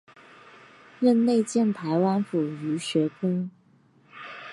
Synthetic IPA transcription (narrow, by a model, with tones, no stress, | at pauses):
ɻə˥˧nle˥˧ɪt͡ɕjɛ˥˩nt̪ʰa˧˥ɪwa˥nfu˨˩y˧˥ɕɥɛ˧˥kʰə˥ŋ